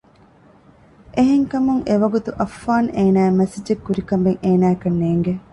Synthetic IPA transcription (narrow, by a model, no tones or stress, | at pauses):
ʔeɦeŋkɐmuŋʔeʋɐɡut̪uʔɐfːaːnʔeːnæːemɐsid͡ʒekːuɾikɐmbeŋeːnæːekɐnːeːŋɡe